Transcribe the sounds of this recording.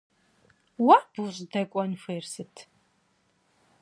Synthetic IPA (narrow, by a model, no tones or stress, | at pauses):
waːb̥uɕʼdɐkʷʼɔnfeːrsɨtʰ